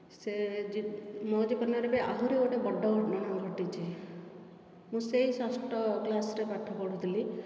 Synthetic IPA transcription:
sed͡ʒmɔd͡ʒipɔnjɔɾebeʔa̰ɦuɾioʈebɔɖʱːɔɡʱɔɖnɔnɔɡʱɔʈit͡ʃʰi | mũseɦisasʈɔklasɾepat̪ʰɔpɔɽ̤ut̪ʰili

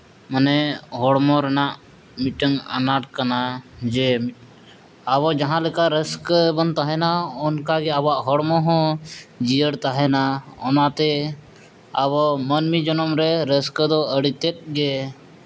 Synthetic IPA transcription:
mənɛɦɔɽmɔɾɛnaʔ | miʈəŋa̰naʈkanad͡ʒɛ | aβɔd͡ʒaɦãlɛkaɾəskəbənt̪aɦɛnaɔnkaɡɛabaʔɦɔɽmɔ̃ɦɔ̃d͡ʒijəɽt̪aɦɛnaɔnat̪ɛ | abɔmənmid͡ʒɔnɔmɾɛɾəskd̪ɔəɽit̪ɛt̪̚ˀɡɛ

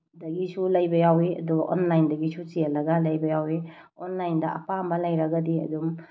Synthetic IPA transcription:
dɐɡisulɐjbɐjawiɐ̰duɡɐʔonlajndɐɡisut͡ʃijɐlːɐɡɐlɐjbɐjawionlajndɐʔɐ̰pambɐlɐjɾɐɡɐdiɐ̰dum

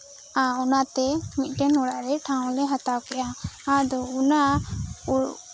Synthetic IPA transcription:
aunat̪ɛmit̪̚ˀʈɛnɔɽaʔɾɛʈʰãw̃lɛɦat̪awkɛʔaad̪ɔunau

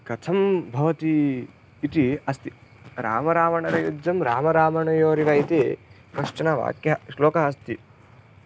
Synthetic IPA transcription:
kɐt̪ʰɐmbʱɐʋɐt̪iː | t̪iɐst̪i̥ɾa̰ːmɐɾaːmɐɳɐɾɐjud͡ʒːɐmɾaːmɐɾaːmɐɳɐjoːɾiʋɐjt̪i | kɐʂʈɐnɐʋa̰ːkjɐʃloːkɐɦɐst̪i

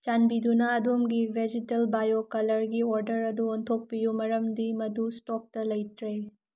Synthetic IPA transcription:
t͡ʃanbidunɐːdomɡibʱed͡ʒitelbajokɐlɐɾɡioɾdɐɾɐduontʰok̚pijumɐɾɐmdimɐdustok̚tɐlɐjtɾe

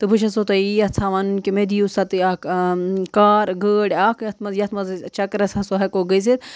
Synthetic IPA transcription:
t̪ɨbʱɨʃʰɐsot̪ɐiɐt͡sʰaʋɐnunkimed̪ijusɐt̪ɨaːkkaːɾɡəːɽʲaːkjɐt̪ʰmɐzjɐt̪ʰmɐzt͡ʃɐkɾɐsɐsoɦɐkoɡɐs̬it̪

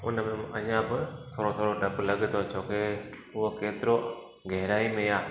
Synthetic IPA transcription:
ʊnəmẽʔɐ̃ɲãbɪt̪ʰoːɾot̪ʰoːɾoɖɐblɐɠɪt̪ot͡ʃʰoːkeʊɦokeːt̪ɪɾo | ɡɐɦɾaːimẽjaː

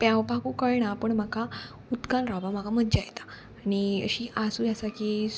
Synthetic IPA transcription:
pjawpakukəɭɳapəɳm̤aka | ut̪kanɾabam̤akaməd̪d͡ʑajet̪ḁ | aniə̰ɕiʔasujasaki

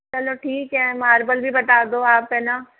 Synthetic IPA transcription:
t͡ʃɐloʈʰiːkɦɛmaːɾbəlbʱibɐt̪aːd̪oaːpena

